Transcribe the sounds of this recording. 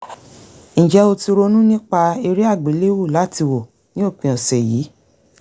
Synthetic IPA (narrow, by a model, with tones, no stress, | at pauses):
ñ̩˨d͡ʒɛ˨˦o˧ti˧ɾo˧nũ˦nĩ˦k͡pa˧i˧ɾi˦a˦˨ɡ͡be˨˦le˦wu˦˨la˨˦ti˧wo˨ | nĩ˨˦o˦˨k͡pĩ˧˨ɔ̃˨sɛ˨jiː˨˦